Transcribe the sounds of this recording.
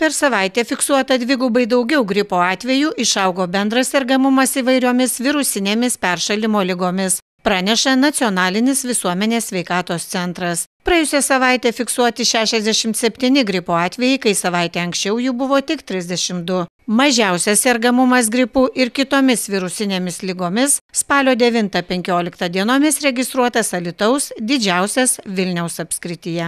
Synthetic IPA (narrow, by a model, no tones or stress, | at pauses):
pʲɛɾsɐʋɐɪt̪ʲeːfʲɪksuɔt̪ɐd̪ʲʋʲɪɡuːbɐɪd̪ɐʊɡʲɛʊɡɾʲɪpoːɑːt̪ʲʋʲɛjuːʔɪʃɐʊɡoːbʲɛnd̪ɾɐsɛɾɡɐmʊmɐsiːʋɐɪɾʲoːmʲɪsʋʲɪɾʊsʲɪnʲeːmʲɪspʲɛɾʃɐlʲɪmoːlʲɪɡoːmʲɪs | pɾɑːnʲɛʃɐnɐt̪sʲioːnɑːlʲɪnʲɪsʋʲɪsuɔmʲɛnʲeːssʲʋʲɛɪkɑːt̪oːst̪sʲɛnt̪ɾɐspɾɐɛjʊsʲɛsɐʋɐˑɪt̪ʲeːfʲɪksuɔt̪ʲɪʃʲæːʃʲɛzʲd̪ʲɛʃʲɪmt̪sʲɛpʲt̪ʲiːnʲɪɡɾʲɪpoːɑːt̪ʲʋʲɛjɛɪkɐɪsɐʋɐɪt̪ʲeːɐŋksʲt͡ʃʲɛʊjubʊʋoːt̪ʲɪkt̪ʲɾʲɪzʲd̪ʲɛʃʲɪmd̪ʊ | mɐʒʲæˑʊsʲɛsʲɛɾɡɐmʊmɐsɡɾʲɪpuːʔɪɾkʲɪt̪oːmʲɪsʋʲɪɾʊsʲɪnʲeːmʲɪslʲɪɡoːmʲɪsspɑːlʲoːd̪ʲɛʋʲɪnt̪ɐpʲɛŋʲkʲoːlʲɪkt̪ɐd̪ʲiɛnoːmʲɪsɾʲɛɡʲɪst̪ɾuɔt̪ɐsɐlʲɪt̪ɐʊsd̪ʲɪd͡ʒʲæˑʊsʲɛsʋʲɪlʲnʲɛʊsɐpʲsʲkɾʲɪt̪ʲɪjɛ